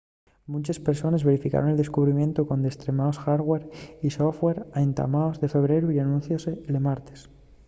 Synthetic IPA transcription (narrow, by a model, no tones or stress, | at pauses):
mũt͡ʃespe̞ɾso̞nezβe̞ɾifika̰ɾoneld̪e̞skuβɾimjẽ̞nt̪okond̪est̪ɾemaosxaɾɣweɾisoθweɾaent̪a̰maozðe̞fe̞βɾe̞ɾuianũnθjose̞elemaɾt̪e̥s